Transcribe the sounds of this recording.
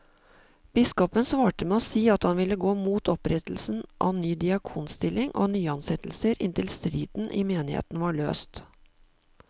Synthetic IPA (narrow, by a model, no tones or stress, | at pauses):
b̥ɪskɔpənsʋɑːʈəmɛːoːsiːɑt̪hɑnʋɪlːəɡoːmuːt̪ʰɔpɾɛt̪l̩sn̩ʔɑ̰nyːd̪ɪɑkʰuːnst̪ɪlɪŋʔo̰ːnyːəɑnsɛt̪l̩səɾʔɪ̰nt̪ʰɪlst̪ɾiːd̪̥n̩ʔɪmeːnɪhḛːt̪n̩ʋɑːɭø̰ːst̪